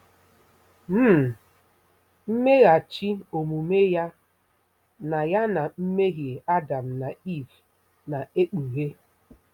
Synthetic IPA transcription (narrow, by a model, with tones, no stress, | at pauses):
m̩˦˨ | m̩˦me˦ɣa˨t͡ʃi˦o˨mu˨me˦ja˦ | na˨ja˦na˨m̩˦me˦ɦje˨a˦da˨m̩˨na˨i˦˨v | na˨e˦k͡pu˨ɣe˦